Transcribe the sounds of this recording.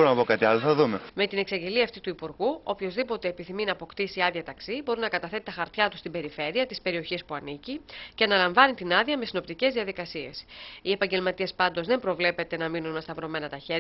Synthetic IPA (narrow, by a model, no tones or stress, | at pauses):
ɾonɐpokɐt̪iɐloθɐðumeme̞t̪ine̞ksɐɲɟe̞liɐft̪it̪uipuɾɣuo̞pço̞zðipo̞t̪e̞ːpiθiminɐːpo̞kt̪isiɐðʝɐt̪ɐksibo̞ɾinɐkɐt̪ɐθe̞t̪it̪ɐxɐɾt̪çɐt̪u̥st̪imbe̞ɾife̞ɾiɐt̪ispe̞ɾio̞çispuɐnicice̞ɐnɐlɐɱvɐnit̪inɐðiɐme̞sino̞pt̪ice̞zðiɐðikɐsie̞sie̞pɐɲɟe̞lmɐt̪iespɐnd̪o̞zðe̞mpɾo̞vle̞pe̞t̪e̞nɐminunmest̪ɐvɾo̞me̞nɐt̪ɐçe̞ɾ